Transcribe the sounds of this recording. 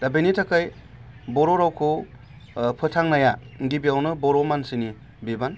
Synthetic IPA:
d̥abejnitʰakaj | bɔɾoɾawkʰo | pʰɯtʰaŋnaja | ŋɡibiawnɯbɔɾomansini | biban

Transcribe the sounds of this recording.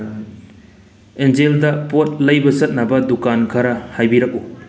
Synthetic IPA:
enzeldɐpot̚lɐjbɐsɐt̚nɐbɐdukankʰɐɾɐhajbiɾɐk̚u

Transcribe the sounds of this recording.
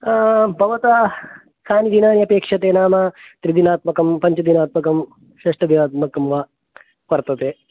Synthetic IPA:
bʱɐʋɐt̪ɐ | saːnid̪inaːnjɐpeːkʂɐt̪eːnaːmɐt̪ɾid̪inaːt̪̚mɐkɐmpɐɲt͡ʃɐd̪inaːt̪mɐkɐm | ʃeːʂʈɐd̪inaːt̪̚mɐkɐmʋaː | pɐɾt̪ɐt̪eː

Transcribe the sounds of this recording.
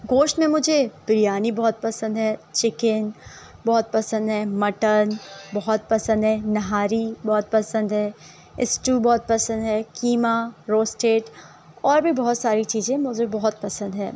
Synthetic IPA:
ɡoːʃʈmẽmʊd͡ʒʱebɾijaːnibɔːt̪̚pɐsə̃nd̪ɦɛːt͡ʃɪkɪn | bɔːt̪̚pɐsə̃nd̪ɦɛːmɐʈənbɔɦɔt̪̚pɐsə̃nd̪ɦɛːnɐɦaːɾibɔːt̪̚pɐsə̃nd̪ɦɛː | ɪsʈubɔːt̪̚pɐsə̃nd̪ɦɛːkiːmaɾoːsʈeːʈ | ɔːɾbʱibɔɦɔt̪saːɾit͡ʃiːzẽmʊd͡ʒebɔɦɔt̪̚pɐsə̃nd̪ɦɛ̰̃ː

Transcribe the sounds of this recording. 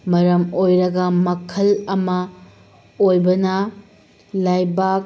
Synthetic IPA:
mɐɾɐmojɾɐɡɐmɐkʰɐlɐmɐ | ojbɐnɐ | lajbak̚

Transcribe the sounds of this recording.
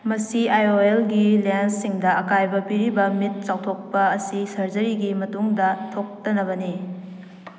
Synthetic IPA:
mɐsiajoelɡilensiŋdɐʔɐkajbɐpiɾibɐmit̚t͡ʃawtʰok̚pɐɐsisɐɾd͡ʒɐɾiɡimɐtuŋdɐtʰok̚tɐnɐβɐni

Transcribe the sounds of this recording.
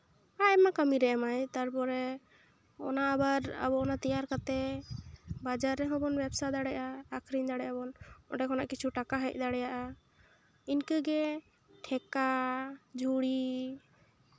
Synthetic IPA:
aɛmakəmiɾɛamajt̪aɾpɔɾɛ | ɔ̰naʔːbaɾa̰bɔɔnat̪ijaɾkat̪ɛ | bad͡ʒaɾːɛɦɔ̃bɔnbɛbsad̪aɽɛʔaːkʰɾiɲd̪aɽɛabɔnɔ̰ɖɛkʰɔnaʔkit͡ʃʰuʈakaɦəc̚ˀd̪aɽɛjaʔa | inkəɡɛ | ʈʰɛkad͡ʒʱuɽi

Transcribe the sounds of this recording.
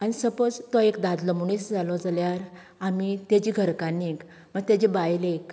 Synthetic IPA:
añisəpəd͡zt̪ɔekd̪ad̪ləmuɽisd͡zalɔd͡zaljaɾ | amit̪ad͡ʑiɡʱəɾkanik | məɡ̚t̪jad͡ʑebajlek

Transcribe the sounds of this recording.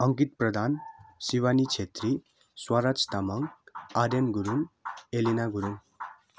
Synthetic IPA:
ʌŋkit̪̚pɾʌd̪ʱansiwanit͡ʃʰet̪ɾi | swaɾat͡ʃt̪amaŋad̪enɡuɾunelinaɡuɾun

